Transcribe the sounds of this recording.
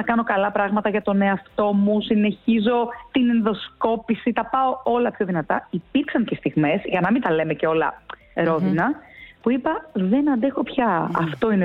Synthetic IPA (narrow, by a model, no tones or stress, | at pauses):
ɐkɐno̞kɐlɐpɾɐɣmɐt̪ɐʝɐt̪o̞ne̞ɐft̪o̞musine̞çizo̞t̪inenðo̞sko̞pisit̪ɐpɐo̞o̞lɐpço̞ðinɐt̪ɐipiɾksɐŋcest̪iɣme̞zʝɐnɐmint̪ɐle̞meceo̞lɐ̰ | ɾo̞ðinɐpuipɐðe̞nɐnd̪e̞xo̞pçɐɐ̰ft̪o̞ine